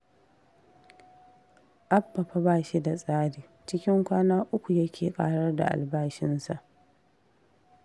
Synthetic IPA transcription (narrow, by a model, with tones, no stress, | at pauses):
ʔa˦bːɐ˨ɸa˦baː˨ʃi˦da˨sʼaː˦diː˨t͡ʃɪ˦kʲɪ˦ŋkʷaː˦naː˦ʔʊ˦kʷu˨jɐ˦kʲʰeː˨kʼa̰ː˨ɽɐ˦rda̰˨ʔa̰˨lbaː˦ʃɪ˦nsa˨ʔ